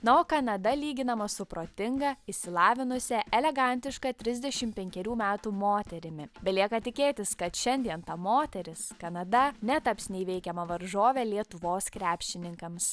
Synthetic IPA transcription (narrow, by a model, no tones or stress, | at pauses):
nɐoːkɐnɐd̪ɐlʲiːɡʲɪnɐmɐsʊpɾoːt̪ʲɪŋɡɐɪʃʲsʲɪlˠɑːʋʲɪnʊsʲɛʔɛlʲɛɡɐnʲt̪ʲɪʃkɐt̪ʲɾʲɪzʲd̪ʲɛʃʲɪmpʲɛŋʲkʲɛɾʲuːmʲæːt̪uːmoːt̪ʲɛɾʲɪmʲɪbʲɛlʲiɛkɐt̪ʲɪkʲeːt̪ʲɪskɐt̪ʃʲɛnʲd̪ʲiɛnt̪ɐmoːt̪ʲɛɾʲɪskɐnɐd̪ɐnʲɛt̪ɐpsnʲɛɪʋʲɛɪkʲɛmɐʋɐɾʒoːʋʲɛːlʲiɛt̪ʊʋoːskɾʲæːpʲʃʲt͡ʃʲɪnʲɪŋkɐms